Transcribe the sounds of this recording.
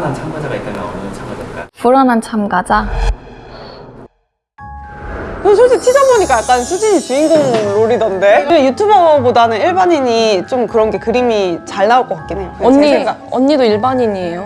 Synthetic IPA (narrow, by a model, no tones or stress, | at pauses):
nant͡ɕʰamɡad͡ʑaɡait͈ːanat͡ɕʰaɡad͡ʑapuɾanant͡ɕʰamɡad͡ʑa | kɯsʰoɭɕʰitʰid͡ʑʌŋboɲik͈ajak͈̚ansʰud͡ʑiɲit͡ɕuiŋɡoŋɾoɾidʌnde̞ejutʰubʌbodanɯniɭbaɲiɲit͡ɕ͈omkɯɾʌnɡe̞kɯɾimit͡ɕaɭnaoɭk͈ʌk͈ak͈inɦe̞jokɯnʌɲieɡaʌ̰ɲːidoiɭbaɲiɲie̞jo